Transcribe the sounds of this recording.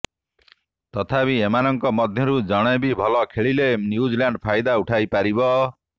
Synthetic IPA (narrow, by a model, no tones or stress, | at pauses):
t̪ɔt̪ʰapiemanɔŋkɔmɔd̪ʱjɔɾud͡ʒɔɽ̃ɔjbibʱɔlɔkʰeɭilenjud͡ʒilaɳɖpʰajd̪auʈʰajpaɾibɔ